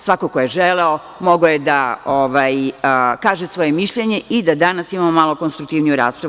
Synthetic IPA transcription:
sʋakokːojeʒeleo̞ | mo̞ɡojed̪aoʋajkaːʒesʋo̞je̞miʃʎe̞ɲe̞id̪ad̪anasimamomalˠo̞konst̪ɾuk̚t̪iʋnijuɾa̰ːspɾau

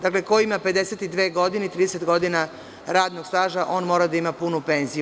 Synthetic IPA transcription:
d̪aklekoimape̞d̪eset̪id̪ʋeːɡo̞d̪ineit̪ɾiːd̪eset̪ɡo̞d̪ina | ɾaːd̪noɡ̥st̪aːʒaʔo̞ːnmo̞ːɾad̪aimapunupe̞nziju

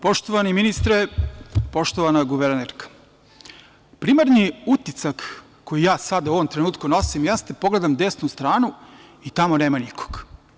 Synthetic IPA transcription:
po̞ʃt̪oʋaniminist̪ɾepo̞ʃt̪oʋanaɡuʋeɾneɾkḁ | pɾiːmaɾniut̪it̪sak | ko̞jijaːsad̪auʋo̞mt̪ɾenuːt̪kuno̞simjaːst̪epo̞ɡle̞d̪amd̪e̞snust̪ɾaːnu | it̪amo̞ne̞ːmanikʰo̥ɡ̥

